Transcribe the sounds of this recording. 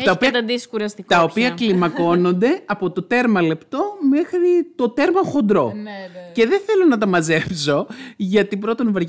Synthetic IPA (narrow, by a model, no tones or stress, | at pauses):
tɐopɐt̪ɐd̪isi̥kuɾɐst̪ikt̪ɐopiɐklimɐko̞no̞nd̪e̞ɐpo̞t̪o̞t̪e̞ɾmɐle̞pt̪o̞me̞xɾit̪o̞t̪e̞ɾmɐxo̞nd̪ɾo̞̰ce̞ðeθe̞lo̞nɐt̪ɐmɐze̞pso̞ʝɐt̪ipɾo̞t̪onvɐɾ